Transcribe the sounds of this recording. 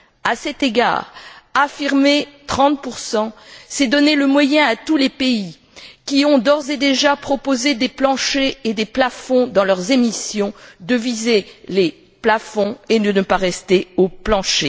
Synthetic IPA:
asɛt̪eɡa̰ːʁafiʁmet̪χɑ̃t̪̚puʁsɑ̃sɛd̪ɔneləmwajɛ̃at̪ulepei | kʲiɔ̃d̪ɔʁzed̪eʒapχɔpozed̪eplɑ̃ʃeːd̪eplafɔ̃d̪ɑ̃lœʁzemisjɔ̃d̪əvizele | plafɔ̃enənəpaʁɛst̪eoplɑ̃ʃe

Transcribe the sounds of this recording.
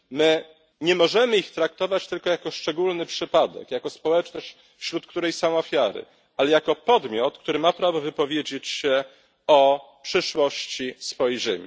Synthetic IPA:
mɘ | ɲɛmɔʐɛmɘixt̪ɾak̚t̪ɔvat͡ɕt̪ɘlkɔjakɔʂt͡ʂɛɡulnɘpʂɘpad̪ɛ̰kjakɔspɔwɛt͡ʂnɔɕt͡ɕ | fɕɾut̪kt̪uɾɛjsamɔfʲjaɾɘ̰ | alɛjakɔpɔd̪mʲjɔt̪kt̪uɾɘmapɾavɔvɘpɔvʲjed͡ʑet͡ɕɕɛ | ɔpʂɘʂwɔɕt͡ɕisfɔjɛjjʐɛmʲḭ

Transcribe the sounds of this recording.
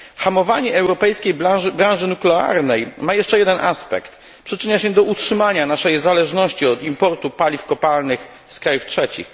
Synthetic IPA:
xamɔvaɲɛɛwɾɔpɛjskʲejbabɾãñʐɘnuklɛa̰ɾnɛjmajɛʂt͡ʂɛjɛd̪ɛnʔaspɛ̰kt̪ | pʂɘt͡ʂɘɲaɕɛd̪ɔutʂɘmaɲanaʂɛjzalɛʐnɔɕt͡ɕiɔd̪impɔɾt̪upalʲifkɔpalnɘx | skɾajuftʂɛt͡ɕḭx

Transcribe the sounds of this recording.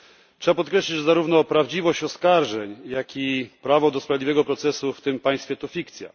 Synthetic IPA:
tʂɛbapɔt̪̚kɾɛɕlʲid͡ʑzaɾuvnɔpɾavd͡ʑivɔɕt͡ɕɔskaɾʐɛɲjakʰʲipɾavɔd̪ɔspɾavʲid̪ʲivɛɡɔpɾɔt̪sɛsuft̪ɘmpãj̃st̪fʲjɛt̪ɔfʲikt̪sʲja̰

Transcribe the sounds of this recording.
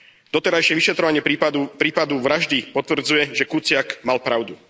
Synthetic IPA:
d̪ɔt̪ɛɾajʃɪɛʋiʃɛt̪ɾɔʋaɲɪɛpɾiːpad̪uʋɾaʒd̪ipɔt̪ʋr̩d͡zujɛʒɛkut͡sɪakmalpɾaʊd̪u

